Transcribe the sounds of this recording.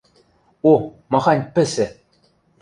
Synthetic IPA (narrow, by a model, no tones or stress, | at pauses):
o | mɑʁɑnʲpɘ̆sɘ̆